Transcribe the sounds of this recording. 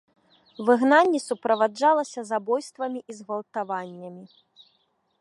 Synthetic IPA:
vɨɣnanʲːɛsupɾɐvad͡ʐalˠɐsʲɐzabɔjst̪vɐmʲiʔizɣɐlˠt̪avanʲːɐmʲi

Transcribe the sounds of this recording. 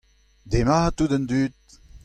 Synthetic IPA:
d̪emat̪ud̪ənd̪yt̪̚

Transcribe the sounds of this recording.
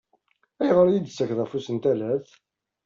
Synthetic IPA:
æjəʁəɾjid̪sːækðæfusənt̪ælæθ

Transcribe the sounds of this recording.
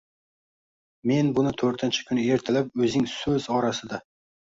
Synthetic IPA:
me̞nbʊnɪt̪ʰɵɾt̪ɪnt͡ʃʰḁkʰʲʊnɪe̞ɾt̪ʰɪlap̚ɵzɪŋsɵzɒɾasɪd̪a

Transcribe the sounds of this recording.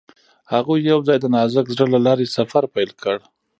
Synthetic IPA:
haɣujawzɑjd̪ənɑzakzɽəlalɑɾesafaɾpajlkʰəɽ

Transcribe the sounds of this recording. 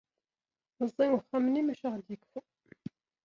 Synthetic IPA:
nəzˤːiwəχæmnimæʃæʁd̪jəkfu

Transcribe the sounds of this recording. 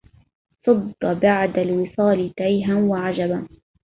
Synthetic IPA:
sˤʊd̪ːɑbaʕd̪alwɪsˤɑːlɪt̪ajɦanwaʕad͡ʒaba

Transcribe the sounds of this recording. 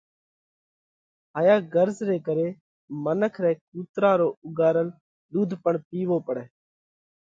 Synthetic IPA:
ɦaːjaːɡəɾzɾeːkəɾeː | mənəkʰɾɛːk̚uːt̪ɾaːɾoːʊɡaːɾən | ɗuːd̪ʱpəɳpiːʋoːpəɽɛː

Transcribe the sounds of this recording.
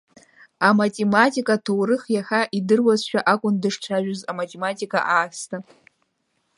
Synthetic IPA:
amatʼe̞matʼikʼatʰowrɨχjaχaʔidɨrwazʃᶣaʔakʷʼʊndɨʂʈ͡ʂʷʰaʒᶣʊzamatʼematʼikʼa̰ʔaːstʰa

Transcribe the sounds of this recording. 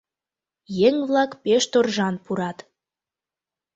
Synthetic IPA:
jeŋβlɑkpeʃt̪orʒɑnpuɾɑt̪

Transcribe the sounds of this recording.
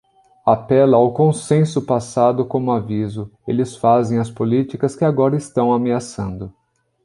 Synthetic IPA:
apɛlɐawkõsẽsʊpasad̪ʊkõmʊavizʊḛlɪsfazẽj̃ɐspolit͡ʃikɐskɪaɡɔɾɐɪst̪ɐ̃w̃ameasɐ̃nd̪ʊ

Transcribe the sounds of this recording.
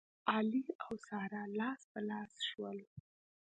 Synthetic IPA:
ɑliawsɑɾalɑspəlɑsʃwəl

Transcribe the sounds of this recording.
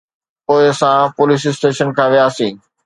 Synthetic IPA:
poːɪsãpoːlis̬ɪsʈeːʃənkʰãːʋijaːsĩː

